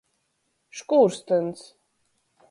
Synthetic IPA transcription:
ʃkuːɾst̪əns

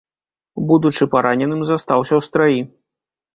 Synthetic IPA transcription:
bud̪ut͡ʂɨpaɾanʲɛnɨmzast̪awsʲɐwst̪ɾaji

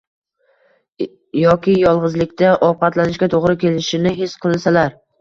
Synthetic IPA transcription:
jɒkʲɪjɒlˠʁɨzlɪkʲt̪ʰaʔɒp̚qʰɑt̪lanɪʃkʲat̪ʰoʁɾɪkʲʰe̞lɪʃɪnɪɦesqʰɨlˠsalaɾ

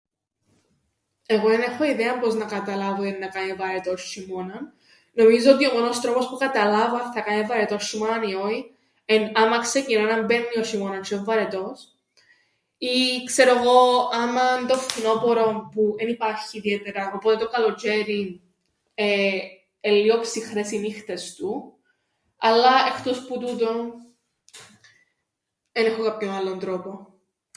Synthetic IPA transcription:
e̞ɣo̞enexo̞iðeɐmpo̞znɐkɐt̪ɐlɐvoenːɐkɐnevɐɾet̪o̞simo̞nɐnː | o̞mizo̞ot̪̬io̞mo̞nost̪ɾo̞po̞spukɐt̪ɐlɐvɐnθɐkɐnevɐɾet̪o̞sːumɐnioi | enɐmɐkse̞cinonɐmbenːiosimo̞nɐnt͡ʃueɱvɐɾet̪o̞s | ikse̞ɾoeɣo̞ɐmɐnd̪o̞ftino̞poɾo̞mpuenipɐɾçiːðiet̪eɾɐo̞pot̪e̞t̪okɐlo̞ceɾi | e | elːiopsixɾesinixt̪est̪u | ɐlːɐext̪o̞sput̪ut̪o̞ | enexokapçonalːond̪ɾo̞po̞

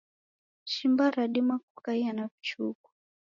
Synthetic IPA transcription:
ʃimbaɾaɗimak̚ukaianavut͡ʃṵku̥

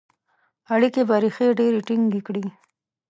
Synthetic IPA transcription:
aɽikebaɾixeɖeɾeʈiŋɡekɽi

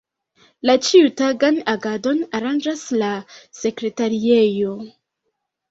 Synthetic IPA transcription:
lat͡ʃiutaɡanaɡado̞naɾand͡ʒaslase̞kɾe̞taɾiejo̞

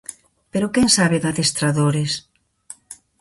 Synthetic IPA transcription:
peɾʊkɛŋsaβeðaθest̪ɾaðoɾes

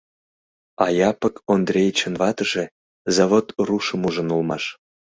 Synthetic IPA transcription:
ɑjɑpəkond̪rʲejt͡ɕənvɑt̪əʒe | zaβot̪ruʃəmuʒə̆nulˠmɑ̰ʃ

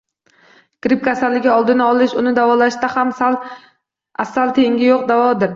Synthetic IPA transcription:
kɾɪp̚kʲʰasalːɪɡʲaɒlˠd̪ɪnaɒlˠɪʃʊnɪd̪avɒlaʃt̪ahamsal | asːalt̪ʰe̞ŋɡʲɪjoq̚d̪avɒd̪ɪɾ

